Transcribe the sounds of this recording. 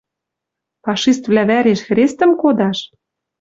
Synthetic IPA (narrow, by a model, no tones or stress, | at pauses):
pɑʃist̪vlæβæɾeʃxɾest̪ə̆mkod̪ɑʃ